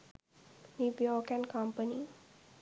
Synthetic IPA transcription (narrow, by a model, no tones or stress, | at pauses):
nuʋjɔːkɛ̃nkampəni